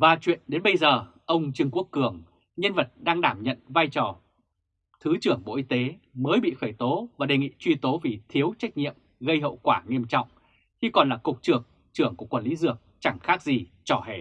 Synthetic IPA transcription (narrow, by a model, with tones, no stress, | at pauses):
vaː˨˩t͡ɕwḭ˧˨ənɗe˨˦nɓə˧jzəː˨˩ʔə˧wŋ͡mt͡ɕɨ˧ŋku˦˥əkːɨ˧˩əŋ | ɲə˧nvə˨˩t̚ɗaː˧ŋɗaː˧˩mɲə̰˧˨nvaː˧jt͡ɕɔ˧˩ | t̪ʰɨ˨˦t͡ɕɨ˧˩əŋɓo̰˧˨ʔi˧t̪e˨˦məː˨˦jɓḭ˧˨xəː˧˩jt̪o˨˦vaː˨˩ɗe˨˩ŋḭ˧˨t͡ɕwi˧t̪o˨˦vi˨˩t̪ʰi˨˦əwt͡ɕa˦˥jk̚ɲḭ˧˨əm | ɣə˧jɦə̰˧˨wkwaː˧˩ŋi˧əmt͡ɕɔ̰˧˨wŋ͡m | xi˧kɔ˨˩nlaː˨˩kʊ˨˩k͡p̚t͡ɕɨ˨˩ək̚ | t͡ɕɨ˧˩əŋku˧˩əkwa˧˩nli˨˦zɨ˧˩ək̚t͡ɕa˧˩ŋxaː˦˥k̚zi˨˩ | t͡ɕɔ˧˩hḛ˧˩